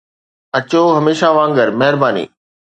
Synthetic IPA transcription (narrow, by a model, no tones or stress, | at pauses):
ɐt͡ɕoɦɐmeːʃaʋãːŋɡəɾmɐɦɪɾbaːnḭː